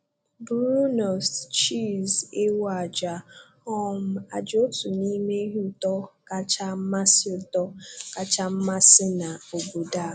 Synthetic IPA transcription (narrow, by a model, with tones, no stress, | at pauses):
bɾu˦nɔ˨st͡ʃi˦˨ze˦wa˨d͡ʒa˨ | ɔ˦m̩˦a˨d͡ʒo˦tu˨ni˦me˦ɦe˦ʊ˦tɔ˦ka˦t͡ʃa˦m̩˦ma˦sɪ˦ʊ˨tɔ˦ka˦t͡ʃa˦m̩˦ma˦sɪ˦na˨o˨bo˨da˦˨